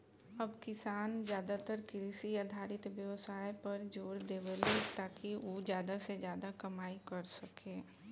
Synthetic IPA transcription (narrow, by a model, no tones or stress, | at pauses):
ɐbkɪsaːnzjaːd̪at̪əɾkɪɾɪsiaːd̪ʱaːɾɪt̪ʋjəʋsaːjpɐɾd͡ʒoːɽd̪eːʋəlit̪aːkiod͡ʒjaːd̪ased͡ʒjaːd̪akɐmaːikɐɾsɐkʰeː